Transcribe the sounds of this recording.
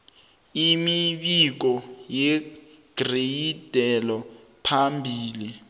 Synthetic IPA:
imiɓik̬ɔjɛ | ɡ̥rejid̥ʱɛlɔ | pʰambʱiːli

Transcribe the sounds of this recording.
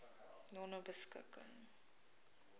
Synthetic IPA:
nɔnəbəskə̰kə̰ŋ

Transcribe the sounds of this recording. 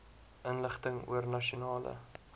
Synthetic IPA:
ʔənləχtəŋṵərnɐʃunɑːlə̰

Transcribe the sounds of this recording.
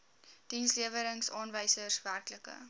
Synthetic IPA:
d̥insliəvəɾəŋsɑːnvəjsərsværkləkə̰

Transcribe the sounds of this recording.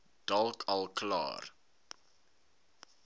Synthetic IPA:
d̥ɐlˠkʰɐlˠklɑ̰ːr

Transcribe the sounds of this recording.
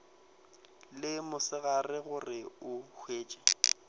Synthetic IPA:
lɪmʊsɪɣarɪɣʊrɪʊhʰweːt͡ʃʼḁ

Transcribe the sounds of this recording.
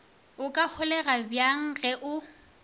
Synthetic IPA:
ʊkʼahʊlɛɣabjaŋ̩ɣɛʔʊ

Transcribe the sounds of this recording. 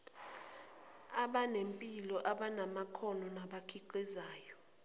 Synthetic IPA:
aɓanempʼilɔʔaɓanamakʰɔnɔnaɓakʰiǃɛzaːjɔ

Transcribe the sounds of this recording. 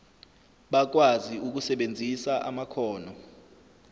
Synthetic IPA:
ɓak̬waziuk̬usɛɓend͡zʱisaʔa̰makʰɔːnɔ

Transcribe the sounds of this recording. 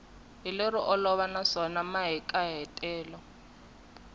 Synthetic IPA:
ɦileɾɪʔɔlɔβanasɔnamaɦikʼaɦɛtʼɛːlɔ

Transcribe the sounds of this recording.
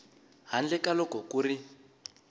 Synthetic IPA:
ɦand͡ɮɛkalɔkɔkuri

